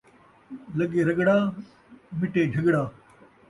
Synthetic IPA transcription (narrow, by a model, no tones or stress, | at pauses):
lɐɡeːɾɐɡɽaː | mɪʈeːɖʱɐɡɽaː